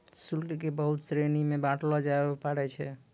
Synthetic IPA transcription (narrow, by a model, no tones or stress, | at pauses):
sulkekebəɦut̪sɾenimebaʈʰlɔd͡ʒaebepaɽɛt͡ʃʰɛ